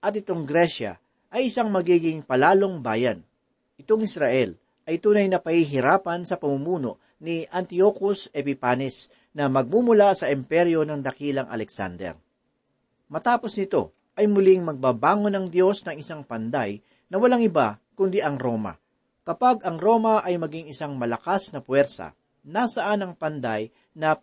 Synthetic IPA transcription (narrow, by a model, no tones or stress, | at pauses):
ʔɐt̪̚ɪt̪o̞ŋɡɾɛʃɐ̰ | ʔɐjɪsaŋmɐɡiːɡɪŋpɐlaːlo̞ŋba̰ːjɐn | ʔɪt̪o̞ŋɪsɾaʔɛl | ɐjt̪uːnɐjnɐpɐhiɦɪɾaːpɐnsɐpɐmumuːno̞ʔ | niʔɐnt̪iokosɛpɪpaːnɪs | nɐmɐɡ̚mumʊlasɐʔɪmpɛɾjo̞nɐŋd̪ɐkiːlɐŋʔɐ̰lɛksa̰nd̪ɛ̰ɾ | mɐt̪aːpo̞snɪt̪o̞̰ | ʔɐjmʊliŋmɐɡ̚baːbaːŋonɐŋd̪jo̞snɐŋɪsaŋpɐnd̪aj | nɐwɐlaŋɪbakʊnd̪iʔɐŋɾo̞ːmɐ̰ | kɐpaɡɐŋɾo̞mɐʔɐjmɐɡiŋɪsaŋmɐlɐkasnɐpwɛɾsɐ̰ | nasɐʔanɐŋpɐnd̪aj | nɐ